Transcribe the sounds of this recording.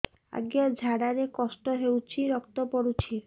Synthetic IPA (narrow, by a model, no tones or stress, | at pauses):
a̰ɡjɔd͡ʒʱaɽaɾekɔsʈɔɦewt͡ʃʰiɾɔkt̪ɔpɔɽut͡ʃʰi